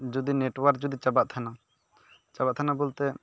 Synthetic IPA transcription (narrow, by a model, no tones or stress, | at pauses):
d͡ʒud̪ineʈwaɾk̚d͡ʒud̪it͡ʃabaʔ̚t̪ʰana | t͡ʃabaʔ̚t̪ʰanabɔlt̪ɛ